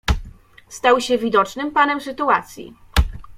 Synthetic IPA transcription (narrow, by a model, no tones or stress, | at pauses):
st̪awɕɛvʲid̪ɔt͡ʂnɘmpanɛmsɘt̪uat̪sʲjḭ